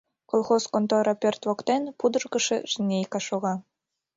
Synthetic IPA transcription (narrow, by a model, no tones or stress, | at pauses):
kolˠχoskont̪oɾɑpʲert̪ʋokt̪enpud̪ɤ̆rɣɤ̆ʃĕʒ̥ɘ̆nʲejkɑʃoɣɑ